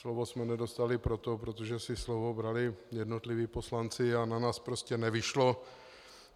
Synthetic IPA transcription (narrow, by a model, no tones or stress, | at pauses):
slovosmɛnɛdo̞st̪alɪpɾot̪opɾot̪oʒɛsɪslovo̞bɾalɪjɛdno̞t̪lɪviːpo̞slant͡sɪananaːspɾoscɛnɛvɪʃlo̞